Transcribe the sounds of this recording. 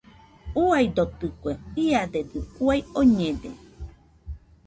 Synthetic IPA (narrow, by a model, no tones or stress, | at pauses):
uajd̪ot̪ɨkʷeiaded̪ɨuajoɲẽdḛ